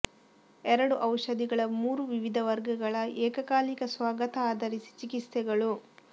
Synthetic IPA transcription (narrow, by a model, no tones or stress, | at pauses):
ɛɾɐɽuʔɐwʂɐd̪iɡɐɭɐmuːɾuʋiʋid̪ʱɐʋɐɾɡɐɡɐɭɐʔɛːkɐkaːlikɐsʋaːɡɐt̪ɐaːd̪ʱɐɾisi̥t͡ʃikist̪ɛɡɐɭu